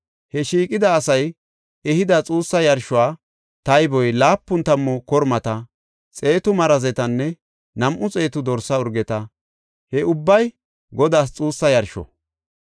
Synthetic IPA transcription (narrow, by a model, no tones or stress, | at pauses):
hɛʃiːkʼɪd̪ɐːsɐj | ɛhɪd̪ɐt͡sʼuːsːɐjɐɾʃʊaː | t̪ɐjbɔjlaːpːʊnt̪ɐmːɔkɔɾmɐt̪ɐ | t͡sʼe̞ːt̪ʊmɐɾɐzɛt̪ɐnːɛ | nɐmʔʊt͡sʼe̞ːt̪ʊd̪ɔɾsɐʊɾɡɛt̪ɐ | hɛʊbːɐj | ɡɔd̪aːs̬t͡sʼuːsːɐjɐɾʃɔ̰